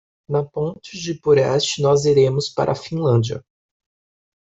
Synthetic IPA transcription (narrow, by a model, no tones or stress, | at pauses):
nɐpõt͡ʃɪd͡ʒɪpoɾɛst͡ʃɪnɔziɾẽmʊspa̰ɾʔɐ̰fĩlɐ̃d͡ʒiɐ̰